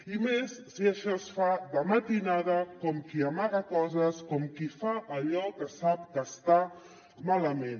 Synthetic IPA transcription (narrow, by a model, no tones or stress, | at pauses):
imesːiəʃɔsfaðəmət̪inaðəkɔmkiamaɣakɔzəskɔmkifaəʎɔkəsap̚kəst̪a | maləmen